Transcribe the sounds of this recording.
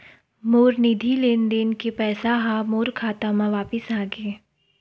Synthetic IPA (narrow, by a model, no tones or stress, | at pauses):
moːɾnid̪ʱileːnd̪eːnkepɛːsaɦãmoːɾkʰaːt̪amãʋaːpɪsaːɡeː